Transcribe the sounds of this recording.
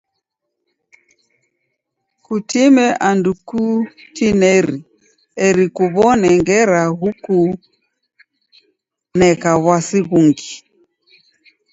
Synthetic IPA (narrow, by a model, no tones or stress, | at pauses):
kutimɛʔandukutinɛɾi | ɛɾikuβɔnɛŋɡɛɾaɣuku | nɛkaβwasiɣuŋɡi